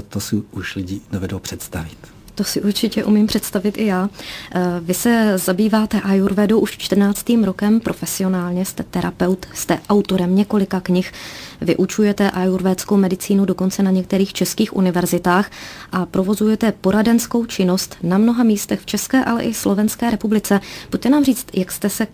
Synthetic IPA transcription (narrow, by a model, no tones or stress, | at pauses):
t̪osɪuʃlɪɟiːnovɛdowpr̥ɛt̪st̪avɪt̪ | t̪osɪʔuɾt͡ʃɪcɛʔumiːmpr̥ɛt̪st̪avɪt̪ʔɪjaː | vɪsɛzabiːvaːt̪ɛʔajuɾvɛdowʔuʃt͡ʃt̪r̩naːt͡st̪iːmɾo̞kɛmpɾʔo̞fɛsɪo̞naːlɲɛst̪ɛt̪ɛɾapɛwt̪st̪ɛʔawt̪o̞ɾɛmɲɛko̞lɪkakɲɪxvɪ̰ʔut͡ʃujɛt̪ɛʔajuɾvɛːt̪skowmɛdɪt͡siːnowdo̞ko̞nt͡sɛnaɲɛk̚t̪ɛɾiːxt͡ʃɛskiːxʔṵnɪvɛɾzɪt̪aːxʔapɾo̞vo̞zujɛt̪ɛpo̞ɾadɛnsko̞wt͡ʃɪno̞st̪namno̞ɦamiːst̪ɛxft͡ʃɛskɛːʔalɛ̰ʔɪslo̞vɛnskɛːɾɛpublɪt͡sɛbuc̚t̪ɛnaːmriːt͡st̪jakst̪ɛsɛ